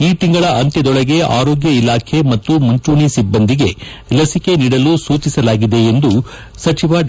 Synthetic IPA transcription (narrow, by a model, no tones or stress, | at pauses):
iːt̪iŋɡɐɭɐʔɐnt̪ɛd̪ɔɭɐɡe̞ʔa̰ːɾoːɡjɐilaːkʰe̞mɐt̪ːumuɲt͡ʃuːɳisibːɐnd̪iɡe̞ | lɐsike̞niːɽɐlusuːt͡ʃisɐlaːɡid̪e̞ːnd̪u | sɐt͡ʃiʋɐ